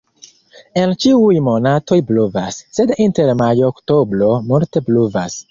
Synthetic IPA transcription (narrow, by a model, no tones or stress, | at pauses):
ent͡ʃiujmo̞nato̞jbluvasːe̞dinteɾmajoːktobɾomulte̞bluvas